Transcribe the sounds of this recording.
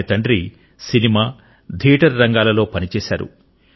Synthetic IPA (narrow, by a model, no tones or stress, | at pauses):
ɐt̪ɐɳɖɾi | sinimaː | d̪ʱiːʈɐɾːɐŋɡaːlɐlo̞ːpɐnit͡ʃɛːsaːɾṵ